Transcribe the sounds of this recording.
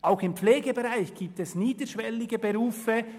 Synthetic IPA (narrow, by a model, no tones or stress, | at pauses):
ʔaʊxɪmpfleːɡəbeʁaɪçɡ̥iːp̚tɛsniːd̪əʃvɛlɪɡəbeɾuːfə